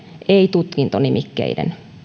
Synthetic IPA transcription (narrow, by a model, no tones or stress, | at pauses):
eit̪ut̪kint̪onimʔikːḛidḛn